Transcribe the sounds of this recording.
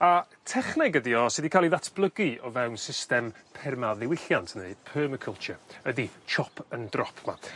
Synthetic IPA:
a | tʰɛχnɪɡədiɔsɪdikʰaːlˠiðatʰb̥lˠəɡɨɔvɛwnsɪstɛmpʰɛrmaðɪwɪɬjantʰnepʰəːməkʰəlˠt͡ʃʰəədit͡ʃʰɔpʰəndrɔpʰma̰

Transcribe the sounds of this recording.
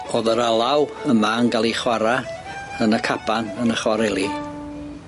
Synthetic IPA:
oːðəɾalˠawəmaənɡalˠiχwaɾa | ənəkʰapʰanənəχwaɾɛlˠi

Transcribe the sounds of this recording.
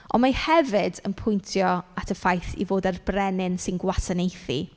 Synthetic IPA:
ʔɔ̰nmajhɛvɪdə̰npʰʊjntʰjɔatʰəfajθḭvoːdarbrɛnɪnsɪnɡwasanejθḭ

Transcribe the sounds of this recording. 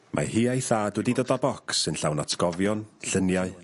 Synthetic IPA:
mʔa̰hiːajθaːdwɛdidoːdabɔksɨnɬawnatʰɡ̥ɔvjɔnɬənjaɨ

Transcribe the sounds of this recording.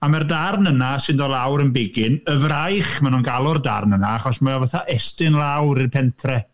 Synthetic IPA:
amardarnənasɨndɔlˠawɾənbɪɡɪnəvrajχmanunɡalˠʊrda̰rnənaaχɔsmajavəθaʔɛstɪnlˠawɾɪrpʰɛntʰrɛ

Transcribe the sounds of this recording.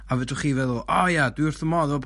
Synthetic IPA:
avɛdʊχiːvɛðˠɔʔɔjadwiʊrθəmɔðɔpʰ

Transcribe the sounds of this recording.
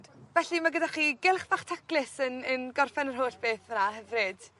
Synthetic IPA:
dvɛɬimaɡədaχiːɡɪlˠχv̥aχtʰaklɪsənənɡɔrfɛnərɦoːɬb̥eːθənahɛvrɨd̥

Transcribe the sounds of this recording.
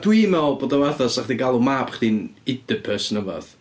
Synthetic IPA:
d̥wimɛlˠboːdawɛθasaχdiɡalˠumaːbχd̥inɪdəpʰəsnəvɔ̰ð

